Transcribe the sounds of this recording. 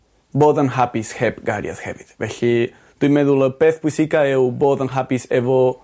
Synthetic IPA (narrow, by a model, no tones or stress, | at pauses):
boðanɦapisxɛpɡaɾj̰a̰sxɛviðvɛɬi | t̪uimeðuləpeθpwisikaewboðanɦapisevo